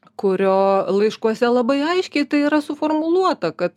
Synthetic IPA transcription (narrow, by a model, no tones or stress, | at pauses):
kʊɾʲoːlˠɐɪʃkuɔsʲɛlˠɐbɐɪɐɪʃʲkʲɛɪt̪ɐɪiːɾɐsʊfoːrmʊlˠuɔt̪ɐkɐt̪